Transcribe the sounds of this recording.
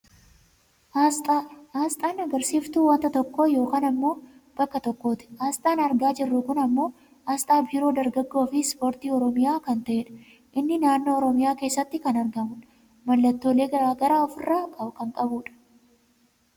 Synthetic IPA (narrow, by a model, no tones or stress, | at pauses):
haːst̪ʼaːhaːst̪ʼaːnɐɡɐɾsiːft̪uːwɐnt̪ɐt̪ɔkːoːjo̞ːkaːnɐmːo̞ːb̥ɐkːɐt̪ɔkːo̞ːt̪ɪ̥haːst̪ʼaːnɐɾɡaːd͡ʒɪrːʊkʊnɐmːo̞ː | aːst̪ʼaːbiːɾo̞ːd̪ɐɾɡɐɡːo̞ːfɪspo̞ːɾt̪iːɔɾɔmɪjaːkɐnt̪ɐʔeːᶑɐ̥ | ʔɪnːɪnaːnːo̞ːɔɾɔmɪjaːke̞ːsːɐt̪ːɪkɐnɐɾɡɐmʊ | mɐlːɐt̪ːo̞ːle̞ːɡɐɾaːɡɐɾaːɔfɪrːaːkʼɐbkɐŋkʼɐbuːᶑɐ̥